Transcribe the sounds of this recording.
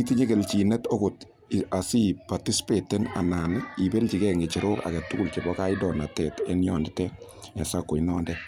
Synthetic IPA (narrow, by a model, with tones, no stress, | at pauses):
i˦ti˦ɲɛ˦kɛ˨lt͡ʃi˨nɛ˦tɔ˦kʊt | a˨si˦pati˦si̥pe˨tɛ˦na̰˨naː˨ni˨bɛ˦lt͡ʃi˨kɛ˦ŋɡɛ˨t͡ʃɪ˨ɾo˦ka̰˨kɛ˨tʊ˦kʊ˨lkɪ˨bɔka˦ɪdɔ˨na˨tɛtɛ˦njɔ˨ndɪtɛ | ɲa˨sakːo˨i˦nɔː˦ndɛ